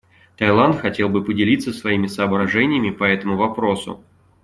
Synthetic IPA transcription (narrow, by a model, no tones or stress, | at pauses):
t̪ɐjlˠant̪xɐtʲe̞lˠbɨpədʲɪlʲit̪səsvɐimʲɪsɐːbɾɐʐɛnʲɪjɪmʲɪpɐɛt̪əmʊvɐpɾo̞sʊ̰